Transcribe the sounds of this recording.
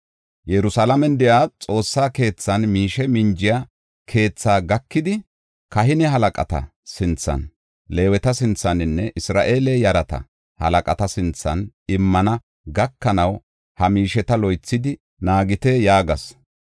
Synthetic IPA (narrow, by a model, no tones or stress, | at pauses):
jɛɾʊsalɐmɛnd̪ɛjaːt͡sʼo̞ːsːaːke̞ːt͡sːɐnmiːʃɛmɪnd͡ʒɪja | kʰe̞ːt͡sːaːɡɐkːɪd̪ɪ | kɐɦɪnɛɦɐlɐkʼɐ̰t̪ɐ̰sɪnt͡sːɐ̰n | le̞ːwɛt̪ɐsɪnt͡sːɐnɪnːɛʔɪsɾa̰ːʔe̞ːleːjɐɾɐt̪ɐ̰ | hɐ̰lɐkʼɐt̪ɐsɪnt͡sːɐnɪmːɐnɐ | ɡɐkːɐnɐw | hɐmiːʃɛt̪ɐlɔjt͡sːɪd̪ɪ | naːɡɪt̪ɛjaːɡɐs